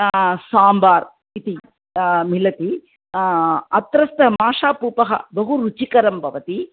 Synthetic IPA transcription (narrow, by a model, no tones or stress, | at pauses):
saːmbaːɾ | it̪i | milɐt̪i | ɐt̪ɾɐst̪ɐmaːʂaːpuːpɐɦɐ̰bɐɦuɾut͡ʃikɐɾɐmbʱɐʋɐt̪i